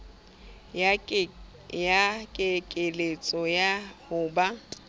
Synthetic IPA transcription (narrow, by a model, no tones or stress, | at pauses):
jakʼɪkʼɪlet͡sʼɔjahʊːba